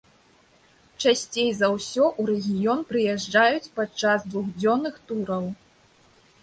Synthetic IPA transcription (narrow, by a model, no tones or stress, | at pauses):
t͡ʂasʲt͡sʲejzɐwsʲɔʔuɾɛɣʲijɔnpɾɨjɛʐd͡ʐajut͡sʲpat͡ʂazd̪vuɣd͡zʲɔnːɨxt̪uɾɐw